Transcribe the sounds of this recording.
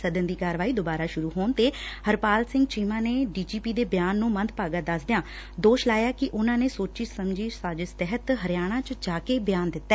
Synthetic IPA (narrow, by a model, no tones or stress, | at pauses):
səd̪ənd̪iːkaːɾʋaːiːd̪oːbaːɾaːʃʊɾuːɦoːnt̪eːhəɾpaːlsɪ̃ŋɡ̚t͡ʃiːmãːneːɖiːd͡ʒiːpiːd̪eːbjaːnːũːmə̃nt̪̚paːɡaːd̪əsd̪ɪjãː | d̪oːʃlaːjaːkɪʔʊnãːneːsoːt͡ʃiːsəmd͡ʒiːsaːd͡ʒɪst̪ɛɦət̪ɦəɾɪjaːɽ̃ãːt͡ʃəd͡ʒaːkeːbɪjaːnd̪ɪt̪ːɛː